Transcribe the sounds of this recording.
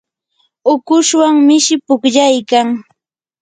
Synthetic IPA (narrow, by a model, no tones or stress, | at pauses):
ʊkʊʃwaŋmɪʃɪpʊkʎajkaŋ